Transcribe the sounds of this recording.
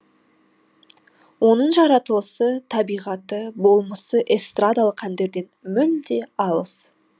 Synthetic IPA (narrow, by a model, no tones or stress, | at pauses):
wo̞nəɴʒɑɾɑt̪əlˠəsət̪ʰɑbijʁɑt̪əbo̞lˠməsəʔest̪rad̪alˠəqʰːænd̪e̞ɾd̪e̞nmʏld̪e̞ɑlˠəs